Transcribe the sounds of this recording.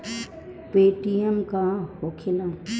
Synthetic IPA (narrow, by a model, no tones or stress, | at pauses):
peːʈiəmkãhokʰɪlãː